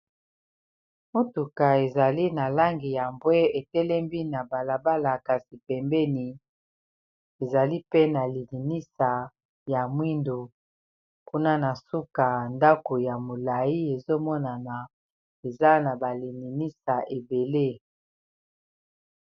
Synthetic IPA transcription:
mo˦tu˨ka˨e˨za˨li˦na˨la˦ŋɡi˨ja˨mbwe˦e˨tɛ˦lɛ˦mbi˦na˨ba˨la˨ba˦la˨ka˨si˨pɛ˨mbɛ˦ni˨ | e˨za˨li˦pe˦na˨li˨li˨ni˦sa˨ | ja˨mwi˦ndo˨ | ku˦na˦na˨su˦ka˨nda˦ko˨ja˨mo˨la˨ji˦e˨zo˦mɔ˦na˨na˨ | e˨za˦na˨ba˨li˨li˨ni˦sa˨ʔe˨be˨le˦

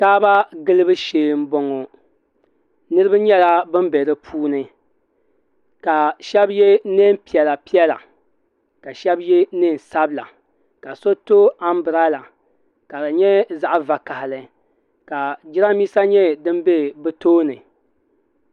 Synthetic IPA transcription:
taː˦ba˦ɡɨ˦lɨ˦bɨ˦ʃeː˨m̩˦bɔ˨ŋo˨ | nɨ˦ɾɨ˦bɨ˦ɲɛ˦la˦bɨ˦mbɛ˨ɾɨ˦pʰuː˦nɨ˦ | ka˨ʃɛ˦bjɛ˦ne˦m˦pi˨ɛ˨la˨pi˦ɛ˦la̰˨ | ka˨ʃɛ˦bjɛ˦nɨ˦˨n˨sa˦bla̰˨ | ka˨so˦to˦a˦mbɨ˨ɾa˦la˨ | ka˨dɨ˨ɲɛ˦za˦ʔva˨ka˨hɪ˨lɨ˨ | ka˨d͡ʒɪ˦ɾa˦miː˦sa˦ɲɛ˦dɨ˦mbe˦bɨ˦toː˦nɨ˨

